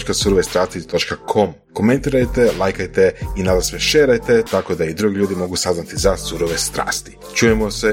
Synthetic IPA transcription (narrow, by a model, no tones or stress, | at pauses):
t͡ʃkasuɾoʋest̪ɾaːst̪it̪o̞t͡ʃkakʰo̞m | ko̞me̞nt̪iːɾajt̪e̞lˠajkajt̪e̞inad̪asʋeʃeːɾajt̪e̞t̪ako̞d̪aid̪ɾuɡiʎuːd̪imo̞ɡusaznat̪izasuɾoʋest̪ɾa̰ːst̪i̥ | t͡ʃuːjemose